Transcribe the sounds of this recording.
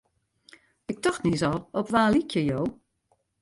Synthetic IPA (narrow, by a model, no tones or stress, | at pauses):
ɪk̚tɔxtnisɔlˠɔpʋaːlikʰjəjoː